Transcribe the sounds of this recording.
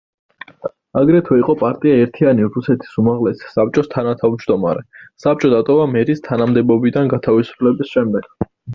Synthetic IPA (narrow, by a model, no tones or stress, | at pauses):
aɡɾɛt̪ʰwɛiqʼɔpʼaɾt̪ʼiaɛɾt̪ʰianiɾusɛt̪ʰi̥sumaʁlɛsi̥sap̚t͡ʃʼɔst̪ʰanat̪ʰavmd͡ʒd̪ɔma̰ɾɛsap̚t͡ʃʼɔd̪at̪ʼɔvamɛɾist̪ʰanamd̪ɛbɔbid̪anɡat̪ʰavisu̥pʰlɛbisʃɛmd̪ɛɡ̥